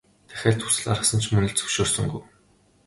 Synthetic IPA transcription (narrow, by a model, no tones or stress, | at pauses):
t̪ʰæ̥xʲæːɮt̪ʰu̥sɘ̆ɮa̰ɾə̆χsə̆nt͡ɕʰmɵnɘ̆ɮt͡sɵ̥wʃoːrsɵ̆ŋɡuj